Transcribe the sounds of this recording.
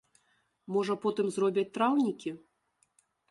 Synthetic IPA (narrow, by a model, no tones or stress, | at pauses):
mɔʐɐpɔt̪ɨmzrɔbʲɛt͡s̚ʲt̪ɾawnʲikʲi